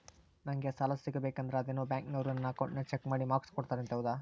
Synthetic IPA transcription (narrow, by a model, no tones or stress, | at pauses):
nɐŋɡesaːlɐsiɡɐbeːkɐnd̪ɐɾeɐd̪enːuːbjaːŋknɐʋɾɐnːɐːkɐwɳʈnet͡ʃekmaːɽimaːkskɔɽt̪aːɾent̪eʋd̪a